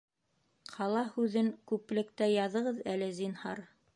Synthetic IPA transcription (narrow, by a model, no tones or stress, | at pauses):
qʰɑlˠɑhʉðɘŋkʉplɘ̆kt̪æjɑðɤ̆ʁɤðælɘzinhɑ̰ɾ